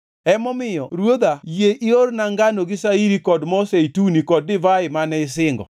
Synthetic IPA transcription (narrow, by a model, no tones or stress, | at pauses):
ɛmɔmɪjɔɾwod̪ajeʔɪornaŋɡanoɡɪsaiɾikɔdmɔseitunikɔd̚ːɪvaɪmanɛɪsɪŋɡɔ̰